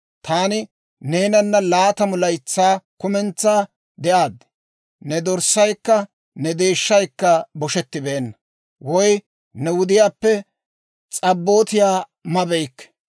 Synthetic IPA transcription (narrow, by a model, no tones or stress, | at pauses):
t̪ʰaːnɪ | ne̞ːnɐnːɐlaːt̪ɐmʊlɐjt͡sːaːkʊmɛnt͡sːaː | d̪ɛʔaːd̪ː | nɛd̪ɔɾsɐjkːɐ | nɛd̪e̞ːʃːɐjkːɐbɔʃɛt̪ːɪbeːnːɐ | wɔj | nɛwʊd̪ɪjaːpːɛ | t͡sʼɐbːo̞ːt̪ɪjaː | mɐbɛjkːɛ̥